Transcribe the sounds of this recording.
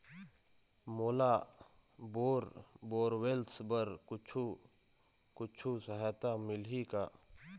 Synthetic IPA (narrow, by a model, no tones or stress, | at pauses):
moːla | boːɾboːɾweːlsbəɾkʊt͡ʃʰu | kʊt͡ʃʰusəɦaːt̪amɪlɦikaː